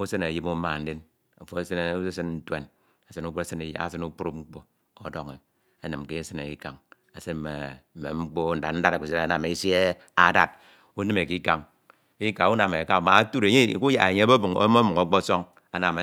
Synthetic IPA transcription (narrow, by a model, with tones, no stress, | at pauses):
u˦sɨ˦ne˨ji˦mu˦ma˨n̩˦de˦n | o˨fo˨˦e˦sn˦i˦si˦n˦n̩˦tḛ˦n | a˨si˦nu˦k͡pu˦e˦sɨ˦ne˨ja̰˦a̰˨sɨ˦nu˦k͡pu˦ɾu˦ŋ͡m̩˦k͡po˦ | o˨do˦ŋe˨ | a˨nɨ˨mke˦sɨ˦ne˨ki˦ka˨ŋ | a˨se˦˨ḛ˨m̩˨mḛ˨ŋ͡m̩˦k͡po˦n̩˦˨da˨n̩˦da˦ɾe˨ku˨se˦ɾa˨˦na˨me˨˦sje˦ | a˦da̰˦t̚ | u˦nɨ˦me˨ki˦ka˨ŋ | i˦ka˨u˦na˨me˨ka˦˨ma˨˦tu˦ɾe˨ɲe˦˨ku˦ja̰˨e˨ɲe˦bo˦bo˨ŋ̰˦mo˦mu˨ŋo˨˦k͡po˦so˦ŋ | a˨na˨me˨